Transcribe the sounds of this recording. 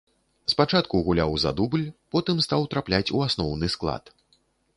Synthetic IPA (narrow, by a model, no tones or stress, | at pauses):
spat͡ʂat̪kuɣulʲawza̰d̪ublʲpɔt̪ɨmst̪awt̪ɾaplʲat͡sʲuasnɔwnɨsklˠa̰t̪